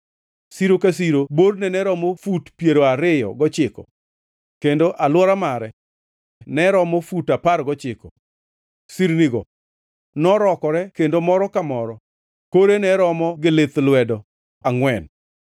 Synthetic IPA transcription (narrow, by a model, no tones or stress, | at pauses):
siɾokas̬iɾobodnɛnɛɾɔmofutpjeɾoaɾɪjɔ̰ɡɔt͡ʃɪkɔ̰ | kendoʔalwɔɾamaɾɛ | nɛɾɔmɔfutaparɡɔt͡ʃɪkɔ̰ | siɾniɡɔ̰ | nɔɾɔkɔɾɛkendomɔɾɔkamɔɾɔ | koɾenɛɾɔmɔɡɪlɪt̪lwɛdɔ | aŋwɛn